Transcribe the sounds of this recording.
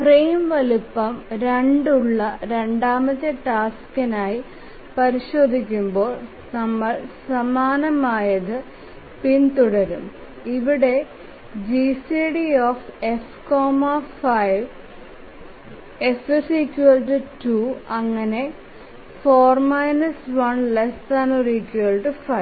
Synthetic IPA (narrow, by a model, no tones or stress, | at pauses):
prejmʋɐlupːɐmɾeɳɖuɭːɐɾe̞ɳɖaːmɐtːeʈaːskɐnaːji | pɐɾiɕo̞ːd̪ʱikʲːumbo̞ːɭ | nɐmːɐɭsɐmaːnɐmaːjɐðɨ | pint̪uɽɐɾum | iʋiɽe̞ | d͡ʑisiɽioːfe̞f | koːmɐfɐjʋ | esɨsikuɐlʈɨtuːɐŋːɐne̞ | foːrmɐjnɐsʋɐnlest̪ɐnorikːjuɐlʈɨfɐj